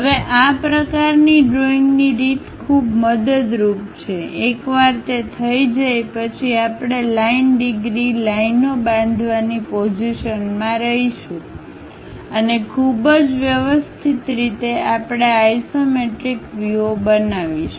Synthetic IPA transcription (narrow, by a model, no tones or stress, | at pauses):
ɦəʋeʔapɾəkaɾniɖɾoĩŋɡniɾit̪kʰubməd̪əd̪ɾup̚t͡ʃʰeekʋaɾt̪et̪ʰəid͡ʒajpət͡ʃʰiapɽ̃elainɖiɡɾilainobãnd̪ʱʋanipod͡ʒiʃənmãɾəɦiʃũ | ənekʰubəd͡ʒʋjəʋəst̪ʰit̪ɾit̪eapɽ̃eajsomeʈɾikʋuobənaʋiʃu